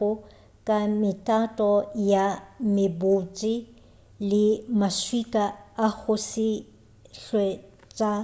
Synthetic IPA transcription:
ʊ | kʼamɪtʼatʼɔjamɪbʊt͡ʃʼɪ | lɪmaʃwikʼaːɣʊsɪ | ɬwe | t͡sʼa

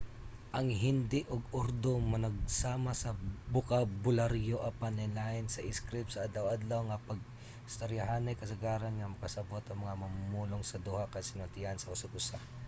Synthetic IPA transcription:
ʔɐŋɦɪnd̪ɪʔoɡoɾd̪omɐnɐɡ̚saːmɐsɐbʊkabʊlaɾjoʔɐpanɛnlaɪnsɐʔɪskɾɪp̚sɐʔɐd̪lɐwʔad̪lɐwŋɐpɐɡ̚ | st̪ɐɾjaɦanɐjkɐsɐɡaːɾɐnŋɐmɐkɐsɐbot̪ɐŋmɐŋamɐmumuːloŋsɐd̪uhakɐjsɪnʊnt̪ɪhansɐʔʊsaɡʊsa

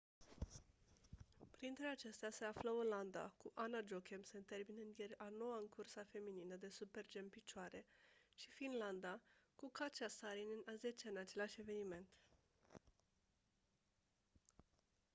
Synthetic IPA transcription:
pɾint̪ɾe̞at͡ʃe̞st̪ease̞afləoland̪a̰kuʔanad͡ʒokemsent̪e̞rminɨnd̪jerano̞waɨŋkʰursafe̞mininəd̪e̞supe̞rd͡ʒe̞mpit͡ʃoaɾe̞ʃifinland̪akukat͡ʃasaɾininazet͡ʃaɨnat͡ʃe̞laʃʲe̞ve̞nime̞nt̪

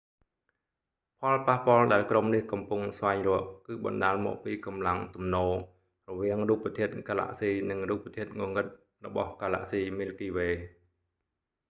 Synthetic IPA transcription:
pʰɑlpahpŏəlɗaɛlkromnihkɑmpuŋsʋaɛŋrʊ̆əʔ̚kɨːɓɑ̰nɗaːlmɔ̰ːʔ̚piːkɑmlaŋt̪umnoː | rɔʋiəŋruːpːət̪ʰiət̪̚kaːla̰ːʔsiːnɨŋruːp̚ːət̪ʰiət̪̚ŋŏŋɨt̪̚ | rɔɓɑ̰hkaːla̰ːʔsiːmilkiːʋeː

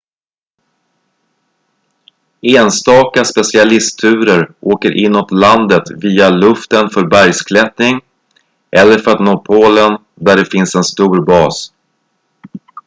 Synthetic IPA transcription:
eːnst̪ɑːkaspɛsɪalɪst̪ʰʉ̟ːɾəɾʔoːkəɾʔɪnːʊt̪land̪ət̪viːalɵft̪ənfœɾbæɾjskʰlɛt̪nɪŋ | ʔɛlːəɾfœɾat̪noːpʰoːlən | d̪æɖɛfɪnsɛnst̪uːɾbɑːs

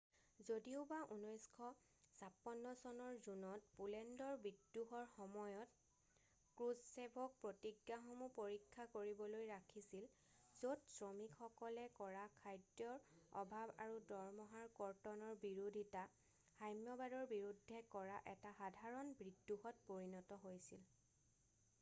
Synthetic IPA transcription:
zodiʊbaʔunɔjskʰɔ | sapːɔnːɔsɔnɔɹzunɔt̚pulɛndɔɹbɹidːuɦɔɹxɔmɔjɔt | kɹuzsebʱɔk̚pɹotiɡjaxɔmupoɹikʰːakoɹibɔlojɹakʰisil | z̥otsɹɔmikxɔkɔlɛkɔɹakʰajdjɔɹɔ̰bʱaba̰ɹudɔɹmɔɦaɹkɔɹtɔnɔɹbiɹudʱita | xajmjɔbadɔɹbiɹudʱːɛkɔɹaʔɛtaxadʱaɹɔnbɹidːuhɔt̚poɹinɔtɔɦojsil

